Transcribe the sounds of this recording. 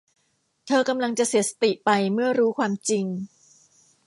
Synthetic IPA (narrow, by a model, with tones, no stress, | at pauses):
t̪ʰɤː˧ka˧mla˧ŋt͡ɕa˨˩ʔsi˨˩˦sḁ˧t̪i˨˩ʔpa˧jmɯ˥˩ɐɾuː˦˥kʰwaː˧mt͡ɕi˧ŋ